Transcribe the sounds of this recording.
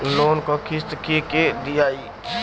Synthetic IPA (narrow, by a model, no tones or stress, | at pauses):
loːnkokʰɪst̪kiked̪ijaːi